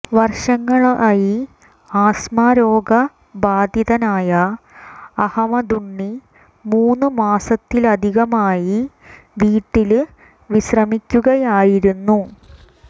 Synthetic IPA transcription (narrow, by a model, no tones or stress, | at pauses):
ʋɐrʂɐŋːɐɭaːji | aːsmaːɾo̞ːɡɐ | baːd̪ʱjiðɐnaːjɐː | hɐmɐd̪uɳːi | muːnːɨmaːsɐt̪ːilɐd̪ʱiɣɐmaːji | ʋiːʈːil | ʋiɕrɐmikʲːuɣɐjaːjiɾunːu